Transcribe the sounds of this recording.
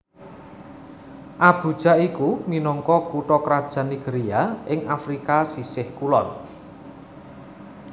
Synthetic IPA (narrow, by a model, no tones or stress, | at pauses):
ʔab̥ṳd̥ʒ̥a̤ikuminɔŋkɔkuʈɔkɾad̥ʒ̥a̤niɡ̥eɾiaɪŋʔafɾikasisɪhkulɔn